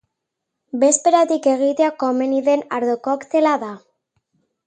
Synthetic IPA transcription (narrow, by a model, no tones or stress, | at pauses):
be̞spe̞ɾat̪ike̞ɣ̞it̪eako̞meniðe̞naɾðokokt̪e̞laða